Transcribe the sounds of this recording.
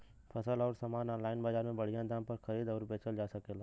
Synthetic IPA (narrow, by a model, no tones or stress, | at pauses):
pʰɐsəlɔːɾsamaːnɔːnlaːɪnbaːd͡ʒaːɾmẽbɐɽ̤ijãd̪ãːmpɐɾxɐɾiːd̪ɔːɾbeːt͡ʃəld͡ʒaːsɐkeːlaː